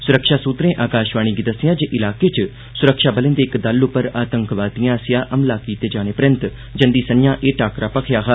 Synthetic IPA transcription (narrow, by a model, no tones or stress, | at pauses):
sʊɾəkʃaːsuːt̪ɾẽːʔaːkaːʃʋaːɽ̃ĩːɡid̪əsɪjãːd͡ʒeːʔɪlaːkeːt͡ʃ | sʊɾəkʃaːbəlẽnd̪eːkd̪əlʊpəɾaːt̪əŋkʋaːt̪ijãːsɪjãːʔəmlaːkiːt̪eːd͡ʒaːñeːpɾɪ̃nt̪ | d͡ʒənd̪iːsənjãːʔeːʈaːkɾaːpəkʰjaːɦaː